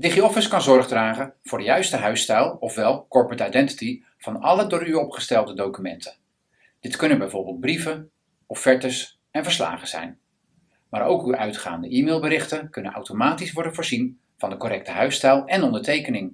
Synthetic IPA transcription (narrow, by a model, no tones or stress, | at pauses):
dɪχiɔfəskɑnzɔɹχdraːχənv̥ʊːɹdəjœɥstəɦœɥstɛlˠɔfʋɛlˠkɔɹpɹətajdɛnti̥ti | v̥ɑnɑlədʊːɹyɔpχə̥stɛlˠdədowkymɛntʰə | d̥ɪtkɵnənbɛjvʊːɹbɪːlˠt̚brivə | ɔfːɛɹtəs | ɛnvəɹsla̰ːχəz̥ɛ̰jn | maːɾo̰wkyʔœɥtχa̰ːndəʔiːmeːlˠbəɾɪχtənkɵnəna̰wtomaːtisʋɔɹdənvʊːɹzin | v̥ɑndəkoɾɛk̚təɦœɥstɛlˠɛnɔndəɹtejkənɪŋ